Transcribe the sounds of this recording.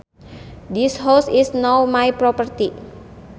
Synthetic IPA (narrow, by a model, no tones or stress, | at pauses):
d̪ishosisnowmajpɾopərt̪i